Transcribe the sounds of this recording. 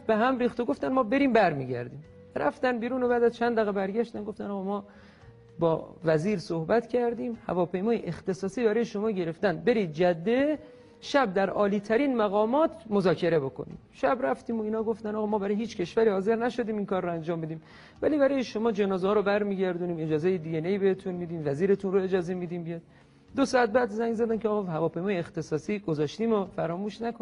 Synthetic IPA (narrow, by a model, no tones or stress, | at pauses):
b̥eɦæmɾiːxt̪oɡo̞ft̪ænmɒːbe̞ɾiːmbæɾmḭːɟæ̰ɾd̪iːm | ɾʔæft̪ænbiːɾuːno̞bæːd̪æzt͡ʃʰænd̪æɣebæɾɟæʃt̪ænɡo̞ft̪ænɒːɣɑːmɒː | bɒ̰ːvæziːɾsohbæt̪cʰæɾd̪iːmhæ̰vɒːpʰe̞jmɒːjeʔext̪e̞sɒːsiːbæɾɒːjeʃo̞mɒːɟe̞ɾe̞ft̪ænd̪̚be̞ɾiːd̪̚d͡ʒæd̪ːe | ʃæb̚d̪æɾɒːliːt̪ʰæɾiːnmæɣɒːmɒːt̪ʰmozɒːcʰe̞ɾe̞bo̞ko̰nḭːmʃæbɾæft̪iːmoiːnhɒːɡo̞ft̪ænɒːɣɒːmɒːbæɾɒːjeɦiːt͡ʃkcʰe̞ʃvæɾiːhɒːze̞ɾnæʃo̞d̪iːminkʰɒːrːoænd͡ʒɒːmːid̪iːm | væliːbæɾɒːjeʃo̞mɒːd͡ʒe̞nɒːzɒːɾobæɾmiːɟæɾd̪uniːme̞d͡ʒɒːzejed̪iɟeneibehet̪ʰunmiːd̪iːmvæziːɾe̞t̪ʰunɾoe̞d͡ʒɒːzemiːd̪iːmbijɒːd̪ | d̪osɒːæt̪̚bæd̪zæŋɡzæd̪ænkʰeɒːɣɒːhævɒːpʰe̞jmɒːjeext̪e̞sɒːsiːɡozɒːʃt̪iːmofæɾɒːmuːʃnæko